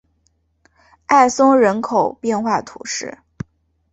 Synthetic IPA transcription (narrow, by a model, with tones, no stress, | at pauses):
a˥˩ɪsʊ˥ŋɻə˧˥nkʰo˨˩ʊpjɛ˥˧nxwa˥˩t̪ʰu˨˩˦ʂɻ̩˥˩